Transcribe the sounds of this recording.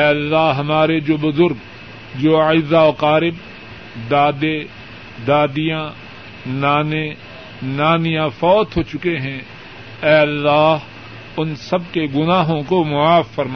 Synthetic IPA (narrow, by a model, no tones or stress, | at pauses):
ɛːɐlːaːɦɐmaːɾed͡ʒoːbʊzʊɾɡ | d͡ʒoːaɪzːaoqaːɾɪb | d̪aːd̪e | d̪aːd̪ɪjã | naːne | naːnɪjãfɔːt̪ɦoːt͡ʃʊkeɦɛ̃ | ɛːɐlːaːɦ | ʊnsɐbkeɡʊnaːɦõkomʊaːfːɐɾma